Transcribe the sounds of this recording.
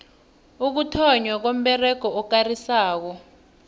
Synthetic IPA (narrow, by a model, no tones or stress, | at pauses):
uk̬utʰɔɲwak̬om̩ɓɛrɛɡ̥ʱɔɔk̬arisaːk̬ɔ